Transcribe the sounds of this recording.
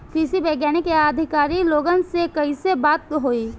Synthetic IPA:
siːsibɛːɡjaːnekeaːd̪ʱɪkaːɾiloːɡənsekɐisebaːt̪̚ɦoːiː

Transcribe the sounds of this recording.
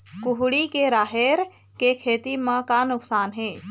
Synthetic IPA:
kʊɦɽikeɾaːɦeɾ | kekʰeːt̪imãkanʊksaːnɦeː

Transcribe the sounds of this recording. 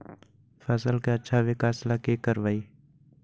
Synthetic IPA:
fəsəlkeɐtːʃʰaʋekaːslakekəɾʋaːiː

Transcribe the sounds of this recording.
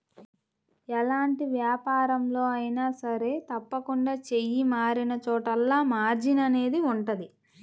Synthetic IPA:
ɛlaːɳʈiʋjaːpaːɾɐmlo̞ːɐjinaːsɐɾe̞ːt̪ɐpːɐkuɳɖaːt͡ʃe̞jimaːɾinɐt͡ʃɔːʈɐlːaːmaːɾd͡ʒinɐne̞ːd̪iuɳʈɐd̪i

